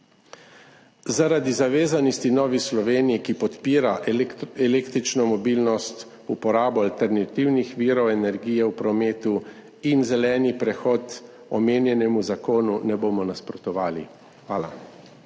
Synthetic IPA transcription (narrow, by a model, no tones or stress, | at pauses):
zaɾad̪izaʋeːzanist̪inɔːʋislɔʋeːnijikipɔt̪piːɾaʔɛleːkt̪ɾit͡ʃnɔmɔbiːlnɔst̪ | upɔɾaːbɔalt̪ɛɾnat̪iwnixʋiːɾɔwɛnɛɾɡiːjɛwpɾɔmeːt̪u | inzɛlɛːnipɾɛxɔːt̪ | ɔmeːnjɛnɛmuzakoːnunɛboːmɔnaspɾɔt̪ɔʋaːlḭ | xʋaːla̰